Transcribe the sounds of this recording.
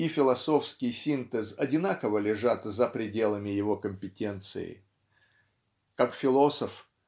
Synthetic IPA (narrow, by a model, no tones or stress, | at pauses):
ifʲɪlˠɐso̞fskʲɪjsʲint̪ɛzɐdʲɪnakəvəlʲɪʐat̪zəpɾʲɪdʲe̞lˠəmʲɪjɪvo̞kəmʲpʲɪtʲe̞nt̪sɨ̰ɪ̰ | kakfʲɪlˠo̞səf